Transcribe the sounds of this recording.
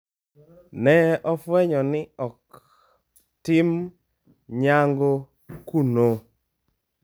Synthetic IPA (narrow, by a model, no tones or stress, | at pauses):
nɛʔɔfwɛɲɔnɪɔk | tɪm | ɲaŋɡo | kuno